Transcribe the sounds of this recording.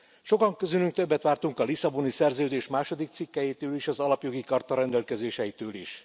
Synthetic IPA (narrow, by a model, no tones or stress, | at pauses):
ʃo̞kɒŋkøzylyŋk̚t̪øbːɛt̪ʋaːrt̪uŋkɒlisɒbonisɛrzøːd̪eːʃmaːʃo̞d̪ik̚t̪sikːɛjit̪øːliʃɒzɒlɒpjo̞ɡikɒrt̪ɒɾɛnd̪ɛlkɛzeːʃɛjit̪øːlḭʃ